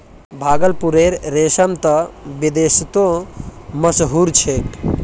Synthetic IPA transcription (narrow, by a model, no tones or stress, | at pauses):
bʱaːɡəlpuɾeɾːesəmt̪əbid̪est̪õ | məsɦuɾt͡ʃʰek